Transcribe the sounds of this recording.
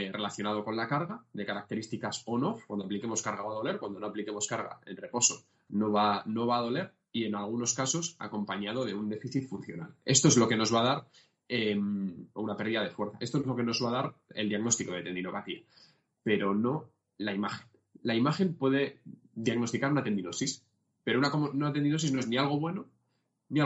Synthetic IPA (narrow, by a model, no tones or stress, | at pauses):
rʔe̞laθjo̞nað̞o̞ko̞nlakaɾɣaðe̞kaɾak̚t̪e̞ɾist̪ikaso̞no̞fkwand̪oaplike̞mo̞skaɾɣaoaðo̞le̞ɾkwand̪ono̞aplike̞mo̞skaɾɣa̰e̞nre̞po̞so̞ | noβano̞βaːð̞o̞le̞ɾ | ie̞nalɣ̞uno̞skaso̞sa̰ko̞mpaɲað̞o̞ð̞e̞und̪e̞fiθit̪fun̟θjo̞̰na̰le̞st̪o̞e̞zlo̞ke̞no̞zβaðaɾ | emunapeɾðiðað̞e̞fwe̞ɾθae̞st̪ozlo̞ke̞no̞zβað̞aɾe̞̰ld̪jaɣno̞st̪iko̞ð̞e̞t̪e̞nd̪ino̞pat̪ia | pe̞ɾo̞no̞ | laimaxe̞n | laimaxe̞mpwe̞ðe̞ | ðjaɣno̞st̪ikaɾunat̪e̞nd̪ino̞sis | pe̞ɾouaounat̪e̞nd̪ino̞sizno̞e̞znialɣ̞o̞βwe̞no | nia